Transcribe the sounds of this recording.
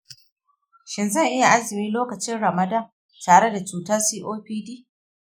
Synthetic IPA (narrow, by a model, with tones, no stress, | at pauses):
ʃɪ˨nzɐ˦˨ŋʔɪ˦ja˨ʔa˦zɪ˨miː˦loː˦kɐ˨t͡ʃɪ˦nɽɐ˨mɐ˨dɐ˦˨m | taː˨ɽe˦da˨t͡ʃuː˨tɐ˦rsiː˦ʔoː˦ɸiː˦diː˦